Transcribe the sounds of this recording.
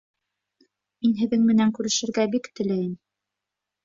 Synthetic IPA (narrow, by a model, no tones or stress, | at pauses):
minɦɘ̆ðɘŋmɘ̆næŋkʉɾɘ̆ʃɘ̆ɾɡæbikt̪ɘ̆læjɘm